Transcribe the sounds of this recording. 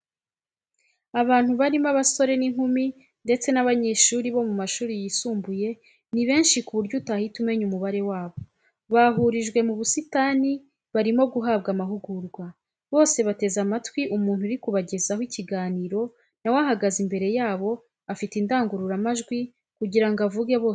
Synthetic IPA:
aβaːn̥huβaɾimaβaso̞ɾe̞niŋhumi | nde̞t͡se̞naβaɲe̞ːʃuːɾiβo̞mumaʃuːɾijisuːmbuje̞ | niβe̞ːnʃikuβuɾɟutahitume̞ɲumuβaɾe̞waːβo̞ | βaɦuɾiʒɡwe̞muβusitani | βaɾimo̞b̚ɡuɦaːβɡamaɦuɡuɾɡwa | βo̞ːse̞βate̞zamatwiʔumuːn̥huɾikuβaɟe̞zahwiciɡaːniːɾo̞ | nawaɦaɡazimbe̞ɾe̞jaːβo̞ | afitindaːŋɡuɾuɾamaʒɡwi | kuɟiɾaŋɡavuɡe̞βoː

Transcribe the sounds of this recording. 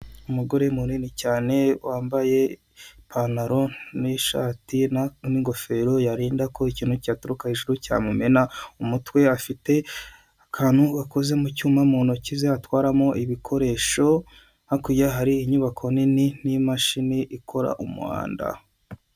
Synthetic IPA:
umuɡo̞ɾe̞muninicaːne̞waːmbaje̞ | pʰanaɾo̞niʃa̰ːtinamiŋɡo̞fe̞ɾo̞jaɾiːndakʰo̞iciːn̥hucaːtuɾukahiʒuɾuca̰mume̞naumutwe̞afite̞ | akʰaːn̥huɡako̞ze̞mucuːmamuːnucizeatwaːɾamo̞ʔiβikʰo̞ɾe̞ːʃo̞ | nakujaɦaɾiːɲuβakʰo̞nininimaʃiniʔikʰo̞ɾa̰ʔumṵa̰ːnda̰

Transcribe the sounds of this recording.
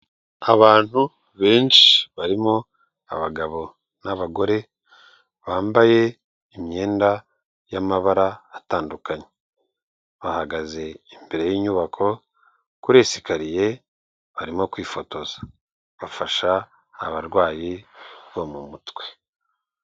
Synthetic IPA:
aβaːn̥hu | βe̞ːnʃi̥βaɾimo̞ | a̰βaɡaβo̞ | naβaɡo̞ɾe̞ | βaːmbaje̞ | imɲe̞ːnda | jamaβaɾaːtaːndukaɲe | βahaɡaze̞imbeɾe̞jiɲuβakʰo̞ | kuɾe̞si̥kaɾije̞ | βaɾimo̞kwiːfo̞to̞zḁ | βafaʃa̰ː | βaɾɡwaːjiβomumutwe̞̥

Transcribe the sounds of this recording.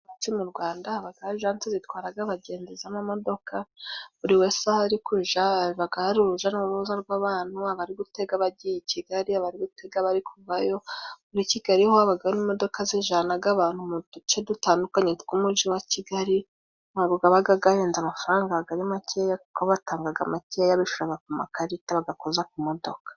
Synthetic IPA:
at͡ʃimuɾɡwaːndaaβaɡaʒant͡sezitwaːɾaɡaβaɟe̞ːnzezamamo̞do̞kʰaβuɾiwe̞sahaɾikuʒaiβaɡaɾuɾuʒanauɾuβuzaɾɡwaβaːn̥huaβaɾiɡute̞ɡaβaɟijiciɡaɾiaβaɾiɡute̞ɡaβaɾikʰuvajo̞βuɾiciɡ̥aɾihowaβaɡaonimo̞do̞kazeʒanaɡaβaːn̥humudut͡ʃedutaːndukaɲetuɡumuʒiwaciɡaɾi | naβuɡaβaɡaɡajeːnzamafaɾaːŋɡaβaɡaɾimacʰejakukoβataːŋɡaɡamacejaβiʃuɾaβakumakaɾitaβaɡakozak̚umo̞do̞kḁ

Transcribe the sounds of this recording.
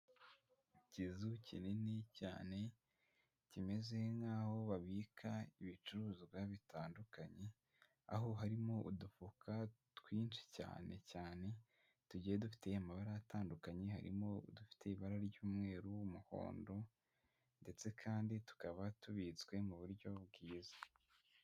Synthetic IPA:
cizucinineca̰ːne̞ | cime̞zehŋɡaːho̞βaβikʰaiβit͡ʃuɾuːziβɡwaβitʰaːndukaɲe̞ | a̰ɦo̞ɦaɾimo̞ʔudufukʰa | twiːnt͡ʃi̥ca̰ːne̞̰caːne̞ | tuɟiːjedufi̥te̞jamaβaɾajataːndukaɲe̞ha̰ɾḭmo̞̰dufi̥te̞iβaɾaɾɟuːmŋe̞ːɾuwumuho̞̰ːndo̞ | nde̞t͡se̞kʰaːnditu̥kaβatuβit͡swe̞muβuɾɟo̞b̚ɡiːzḁ

